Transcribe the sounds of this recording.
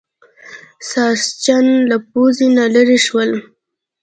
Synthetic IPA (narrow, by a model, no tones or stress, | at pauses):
sɑst͡ʃanlap̚ozinalaɾiʃwəl